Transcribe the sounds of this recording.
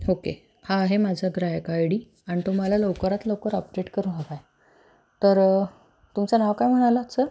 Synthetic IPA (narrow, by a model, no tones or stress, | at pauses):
okḛ | hãːɦemad͡zʱaɡ̪ɾajkajɽiː | aɽ̃it̪um̤alaləʋkəɾat̪ləwkəɾəp̚d͡ʑeʈkəɾũːakaj | t̪əɾ | t̪umt͡sanaʋkajm̤əɽ̃aləːt͡sə